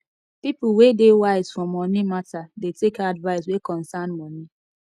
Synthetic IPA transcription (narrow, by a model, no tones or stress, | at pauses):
pipʊwedewaɪz̥fɹɔmːɔnimatadetekadvaɪs̬wekɔ̃nsanmɔni